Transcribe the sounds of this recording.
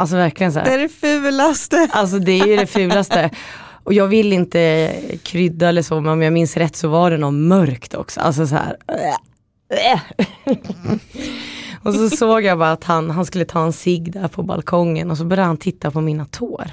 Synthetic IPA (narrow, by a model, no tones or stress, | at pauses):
ʔals̬ɔvæɾklɪɡəns̬ɔæ̰ːɾɛfʉːlast̪əals̬ɔd̪ɛæjɵd̪ɛfʉ̟ːlast̪ə | ʔɔjɑːɡvɪlːɪnt̪əkʰɾʏd̪ːaɛlːəʂoːmɛnɔmjɑːɡmɪnsɾɛt̪ːsɔvaɖɛnɔnmœɾkt̪ʰɔ̰ksɔ̰a̰ls̬ɔsɔhæ̰ːɾ | ɔsɔsoːɡjabɑːɾaːt̪hanɦanskɵlːət̪ʰɑːɛnsɪɡːd̪æɾpʰɔba̰lkʰɔŋːə̰nɔs̬ɔbœɾjad̪hant̪ʰɪt̪ːapʰɔmiːnat̪ʰo̰ːɾ